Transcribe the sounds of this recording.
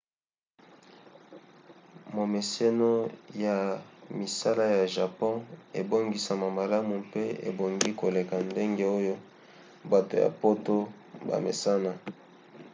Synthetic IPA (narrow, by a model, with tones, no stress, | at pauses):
mo˨me˨se˦no˦ja˨mi˨sa˦la˦ja˨ʒa˨pɔ̃˦ḛ˨bo˦ŋɡi˨sa˨ma˨ma˨la˦mu˨mpe˦ḛ˨bo˨ŋɡi˦ko˨le˨ka˨nde˦ŋɡe˦o˦jo˦ | ba˨to˨ja̰˨po˦to˦ | ba̰˨mḛ˨sa˦na˨